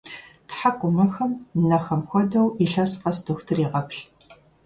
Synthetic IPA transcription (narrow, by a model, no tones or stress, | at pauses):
tħakʷʼʊmɐxɐmnɐxɐmxʷɔdɐwiɬɐsqɐsdoxtʰɨriːʁɐpʰɬ